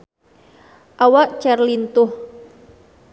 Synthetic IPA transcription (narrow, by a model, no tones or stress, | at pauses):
ʔawaʔt͡ʃɛrlint̪ʊh